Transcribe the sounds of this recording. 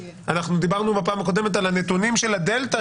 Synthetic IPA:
anaχnud̪ibaʁnubapaːmako̞d̪e̞met̪̬alane̞t̪unimʃe̞lad̪elt̪a

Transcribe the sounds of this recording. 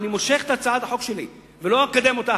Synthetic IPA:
nimo̞ʃe̞χet̪at͡sad̪aħo̞kʃe̞li | velo̞akad̪e̞mo̞t̪a

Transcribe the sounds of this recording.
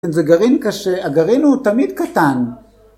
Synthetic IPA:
enzeɡaʁinkaʃeaɡaʁinhut̪amid̪kat̪an

